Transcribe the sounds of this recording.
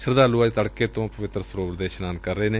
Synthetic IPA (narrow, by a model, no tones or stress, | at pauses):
ʃəɾd̪aːluːad͡ʒt̪əɽkeːt̪õːpəʋɪt̪ɾəsʊɾoːpɾd̪eːʃnãːnd̪̚kəɾːəeːneː